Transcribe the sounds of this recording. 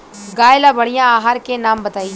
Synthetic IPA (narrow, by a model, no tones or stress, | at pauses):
ɡaːɪlaːbəɽijãaːɦaɾkenaːmbət̪aːi